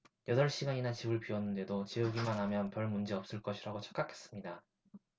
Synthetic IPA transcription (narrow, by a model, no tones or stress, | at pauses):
jʌdʌɭɕ͈iɡaɲinat͡ɕibɯɭpiwʌnːɯnde̞dot͡ɕejuɡimanɦamjʌnpjʌɭmund͡ʑiʌp̚s͈ɯɭk͈ʌɕʰiɾaɡot͡ɕʰʌ̥k͈akʰe̞̥s͈ɯ̥mɲida